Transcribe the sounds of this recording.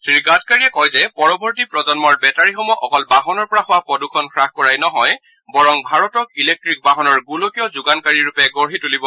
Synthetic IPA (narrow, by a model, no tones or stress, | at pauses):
sɹiɡatkaɹiɛkɔjzɛpɔɹɔbʱɔɹtipɹɔzɔnmɔɹbɛtaɹixɔmɔʔɔkɔlbaɦɔnɔɹpɔɹaxʊwapɔdukʰɔnkʰɹaxkɔɹajnɔɦɔj | bɔɹɔŋbʱaɹɔtɔkilek̚tɹik̚baɦɔnɔɹɡulokijɔzʊɡankaɹiɹupɛɡɔɹɦitulibɔ